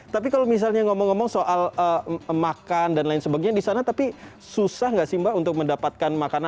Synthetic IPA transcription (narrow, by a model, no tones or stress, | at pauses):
t̪ap̬ikalomis̬alɲaŋɔmɔŋːɔmɔŋsoʔaləmakandanlaɪnsəbaɡiɲadisanat̪api | susahŋɡaʔsimbaunt̪ʊk̚məndapat̪̚kanmakana